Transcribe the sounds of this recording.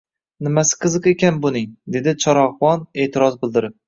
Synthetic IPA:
nɪmasɪ̥qʰɨzɨqekʲanbʊnɪŋd̪e̞d̪ɪt͡ʃʰɒɾɒhwɒne̞ːt̪ʰɪɾɒzbɪld̪ɪɾɪp̚

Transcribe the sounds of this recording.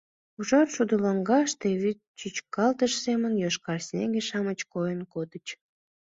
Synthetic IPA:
uʒɑrʃud̪əlɑŋɡɑʃt̪eβyt̪t͡ɕyt͡ɕkɑlt̪əʃsemənjoʃkɑrsʲnʲeɡeʃɑmət͡ɕkojənkod̪ət͡ɕ

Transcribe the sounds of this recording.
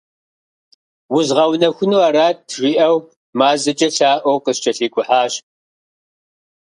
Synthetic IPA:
wʊzʁɐwnɐxʷʊnuɐɾaːtːʰʒʷiːʔɐw | maːzɨt͡ʃʼɐɬaːʔʷɐwqəst͡ʃʼɐɬiːkʷʼʊħaːɕ

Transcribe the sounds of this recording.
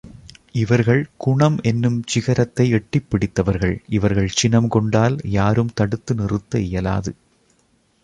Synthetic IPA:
ʔɪʋɐɾɣɐɭkʊɳɐmɛnːɯmt͡ʃɪɣɐɾɐt̪ːɐɪɛʈːɪpːɪɽɪt̪ːɐʋɐɾɣɐɭʔɪʋɐɾɣɐɭt͡ʃɪnɐmkɔɳɖaːljaːɾɯmt̪ɐɽɯt̪ːɯnɪrɯt̪ːɐɪjɐla̰ːðɯ

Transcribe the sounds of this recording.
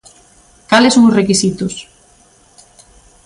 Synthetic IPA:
kalɪsoŋʊsrekisit̪ʊs

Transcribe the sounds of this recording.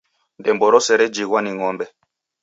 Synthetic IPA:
ndɛmbɔɾɔsɛɾɛd͡ʒiɡwaniŋɔmbɛ

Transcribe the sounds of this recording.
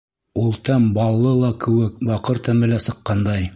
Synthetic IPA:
ulˠt̪æmbɑlˠːɤlˠɑkɘ̆wɘkbɑqɤɾt̪æmɘlæsɤ̆qːɑnd̪ɑj

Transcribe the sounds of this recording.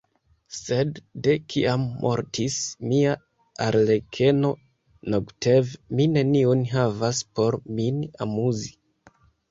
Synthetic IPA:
se̞dːe̞kʰiamːʔo̞̰ɾtʰismia | aɾle̞kʰe̞no̞ | noɡtevmine̞niunɦavaspo̞ɾmina̰muzi

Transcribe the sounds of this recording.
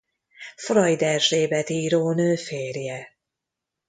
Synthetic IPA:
frɒjd̪ɛrʒeːbɛt̪iːɾoːnøːfeːrjɛ

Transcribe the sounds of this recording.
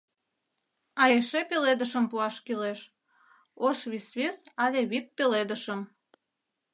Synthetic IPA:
ɑjeʃepeled̪əʃəmpuɑʃkileʃ | oʃβisβesɑlʲeβit̪̚peled̪əʃəm

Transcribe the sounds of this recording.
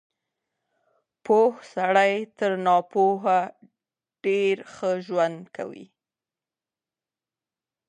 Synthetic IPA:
pohsaɽajt̪əɾnɑpoɦa | ɖ̥eɾxəʒwand̪kʰa̰wḭ

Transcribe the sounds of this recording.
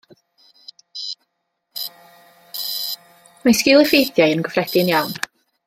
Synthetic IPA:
maskɪlˠɪfejθjajənɡɔfrɛd̥ɪnjawn

